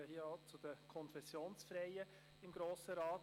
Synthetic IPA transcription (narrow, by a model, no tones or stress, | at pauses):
hiəɑt͡sʊd̥əkʰɔnfɛsjoːnsfɾɛɪə | ɪmɡ̥ɾoːsəɾɑːt